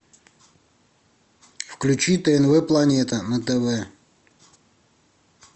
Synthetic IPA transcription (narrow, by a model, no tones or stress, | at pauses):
fklʲʉt͡ɕit̪əɛnvɛplˠɐnʲet̪ənət̪ɛvɛ